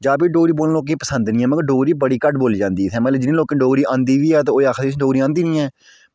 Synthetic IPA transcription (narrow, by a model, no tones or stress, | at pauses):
d͡ʒaːbiːɖoːɾiːboːlloːk̬eːpəsənd̪nĩːɛ̃ːməɡəɾɖoːɾiːbəɽiːkəʈboːld͡ʒãːnd̪iːsʰɛ̃ːmət̪ləbd͡ʒɪnẽːloːkẽːɖoːɡɾiːʔãːnd̪iːʋiːɛːt̪ãoːaːkʰd̪iːsʰɖoːɾiːãːnd̪iːnĩːɛː